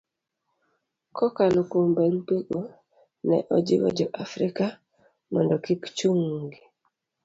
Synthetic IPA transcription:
kɔkalokombeŋpeɡo | nɛ̰ʔɔd͡ʒḭwɛ̰d͡ʒɔʔafɾika | mɔndɔkikt͡ʃuŋɡi

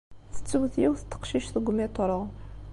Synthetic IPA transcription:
θə̥t͡sːəwθjiwθət̪ːə̥qʃiʃθəɡʷmit̪ˤɾˤə

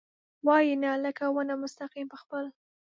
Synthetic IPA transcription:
wɑjinaləkawənamʊst̪aqimpəxpəl

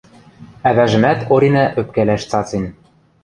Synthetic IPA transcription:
æβæʒɘ̆mæt̪ʰoɾinæʔø̆p̚kælæʃt͡sɑt͡sen

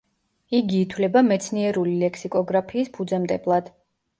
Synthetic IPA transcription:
iɡiːt̪ʰwlɛbamɛt̪sʰniɛɾulilɛkʰsikʼɔɡɾapʰiːspʰud̪zɛmt̪ʼɛblˠad̪̥

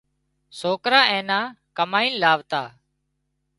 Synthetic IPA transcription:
soːkɾaːẽːnãːkəmaːĩːnlaːʋt̪a̰ː

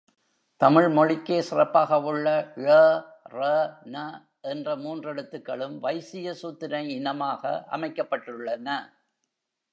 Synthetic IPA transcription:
t̪ɐmɪɭmɔɻɪkːeːsɪrɐpːaːɣɐʊɭːɐɐ | rɐnɐ | ʔɛndrɐmuːndrɛɽɯt̪ːɯkːɐɭɯmʋɐɪsɪjɐsuːt̪ːɪnɐɪɪnɐmaːɣɐ̰ʔɐ̰mɐɪkːɐpːɐʈːɯɭːɐnɐ

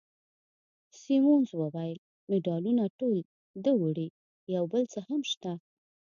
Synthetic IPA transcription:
simonzwəwajəl | mɪɖɑlunaʈol | d̪əwəɽi | jawbəlt͡səhamʃt̪a

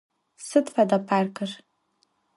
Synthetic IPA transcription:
sɨtʰʼħadapʰarkʰʼɨr

